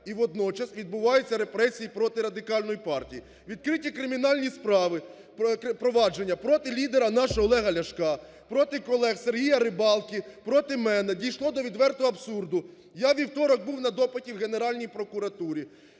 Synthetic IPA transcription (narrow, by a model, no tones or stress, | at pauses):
iʋɔd̪nɔt͡ʃɐsʋʲid̪̚bʊʋɑjʊt͡sʲːɐɾe̞pɾɛsʲijipɾɔt̪ɪɾɐd̪ɪkɑlʲnɔjipɑrtʲiji | ʋʲid̪̚kɾɪtʲikɾɪmʲinɑlʲnʲispɾɑʋɪ | kpɾɔʋɑd͡ʒe̞nʲːɐpɾɔt̪ɪlʲid̪eɾɐnɑʃɔlˠɛɦɐlʲɐʃkɑ | pɾɔt̪ɪkɔlˠɛxse̞rɦijɐɾɪbɑlˠkʲipɾɔt̪ɪmɛnɛdʲijʃlˠɔd̪ɔʋʲid̪ʋɛrt̪ʊɐbsurd̪ʊ | jaʋʲiwt̪ɔɾɔɡ̚buwnɐd̪ɔpɪtʲiwɣene̞ɾɑlʲnʲijpɾɔkʊɾɐt̪uɾʲi